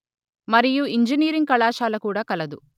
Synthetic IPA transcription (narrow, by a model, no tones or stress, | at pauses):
mɐɾijuiɲd͡ʒiniːɾiŋkɐɭaːʃaːlɐkuːɽaːkɐlɐd̪u